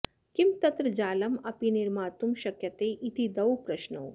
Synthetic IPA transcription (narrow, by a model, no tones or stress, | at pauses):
kimt̪ɐt̪ɾɐd͡ʒaːlɐmɐpiniɾmaːt̪umʃɐkjɐt̪eːʔit̪id̪ɐwpɾɐʃnoː